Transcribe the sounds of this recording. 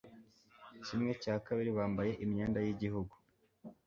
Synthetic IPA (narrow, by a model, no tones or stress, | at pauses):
cimŋe̞caːkaβiɾiβaːmbaje̞ʔimɲeːndajiɟiɦuɡu